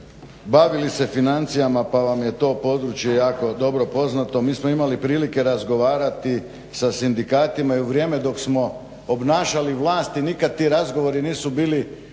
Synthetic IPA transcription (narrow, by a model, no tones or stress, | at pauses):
baʋilise̞finant̪sijamapaʋamje̞t̪o̞ːpo̞d̪ɾut͡ʃje̞jaːko̞d̪o̞bɾo̞po̞znat̪o̞miːsmoimalipɾiːlike̞ɾazɡo̞ʋaːɾat̪i | sasind̪ikaːt̪imaiuʋɾje̞ːme̞d̪o̞ksmo̞ | obnaːʃaliʋlˠaːst̪inikad̪̚t̪iːɾazɡo̞ʋo̞ɾiniːsubiːli